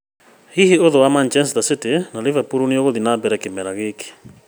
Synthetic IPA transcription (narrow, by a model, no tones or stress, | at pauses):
hihioðowamant͡ʃɛns̬ðasɪtenalivapuɾunioɣoðinabɛɾɛkɪmɛlaɣeke̥